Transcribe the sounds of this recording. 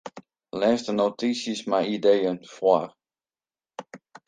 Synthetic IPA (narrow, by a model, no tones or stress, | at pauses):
lɛːsdənotisjəsmajidejənfwar